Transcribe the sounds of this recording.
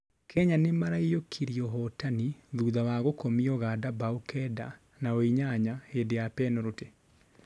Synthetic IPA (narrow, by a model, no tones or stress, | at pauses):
kʰɛɲanemaɾaijokʰiɾiɔɦɔtaniðuːðawaɣokomiɔɣadabaukɛda̰ | naoiɲaɲahedejapɛnɔɾote